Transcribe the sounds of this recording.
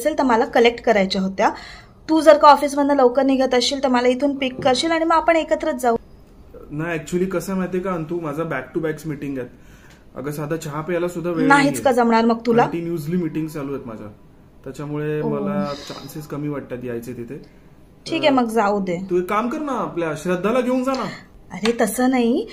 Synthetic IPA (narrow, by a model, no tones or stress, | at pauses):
selt̪əɾməlakəlek̚ʈkəɾajt͡ɕaɦot̪ja | t̪uːd͡zəɾkaɔfiːs̬mənd̪ələʋwkəɾniɡʱət̪əɕiːlt̪əɾmalait̪ʰuːnpikːəɾɕiːlaɽ̃iməɡapəɳekət̪ɾət͡sd͡zau | naɛk̚t͡ɕuəliːkəsə̃maɦjt̪ekaənt̪uːmad͡zʱabæk̚ʈubæksmiʈiŋɡjɛt̪̚ | ə̰ɡəsad̪ʱat͡ɕaɦapejalasud̪ʱːaʋenaɦit͡skad͡zəmɳaɾməɡt̪ulaʈiːnjud͡zlimiʈiŋɡzd͡zaluːjet̪mad͡zʱa̰ | t̪jat͡ɕamuɭeməlat͡ɕa̰nsiskəmiːʋaʈ̚t̪at̪iajt͡set̪it̪ʰe | ʈʰiːkɛməɡd͡zaud̪et̪uekamkəɾnaːpljaɕɾəd̪ʱːalaɡʱeũŋkd͡zanaəɾet̪əsəːnaɦi